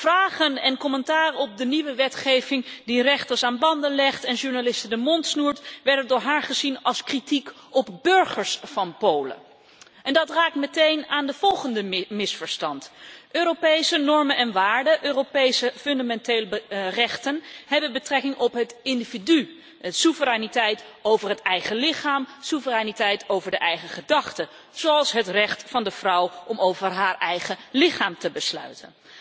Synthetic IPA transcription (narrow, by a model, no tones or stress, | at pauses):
v̥raːχənɛnkɔməntaːrəɔb̚dəniʋəʋɛtχejvɪŋdirɛχtəɹsaːnbɑndənlɛχtɛnʒuɹnalɪstəndəmɔntsnuːɹtʋɛɹdədʊːɹɦaːɹχəzinɑlˠskritik | ɔpbɵɹχəɹsfɑnpowlə̰ | ʔɛndɑtraːk̚tmətejnaːndəv̥ɔlˠχəndəmɪsfəɹstɑntʔøːropejsənɔɹmənɛnʋaːɹdəʔøːropejsəfɵndamɛntejlbrɛχtənɦɛbənbətrɛkɪŋɔpɦətɪndividy | ətsuvərɛjnitɛjt | owvəɹɦətɛjχəlɪχaːmsuvərɛnitɛjtowvəɹdəʔɛjχəχədɑχtə | z̥owɑlˠsɦətrɛχtfɑndəv̥rʌwʔɔmowvəɹɦaːɹʔɛjχəlɪχaːmtəbəslœ̰ɥtən